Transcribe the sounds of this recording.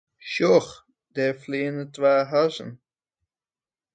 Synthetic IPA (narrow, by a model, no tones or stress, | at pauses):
ʃɔx | d̥ɛfliːənətʋaːɦazə̰n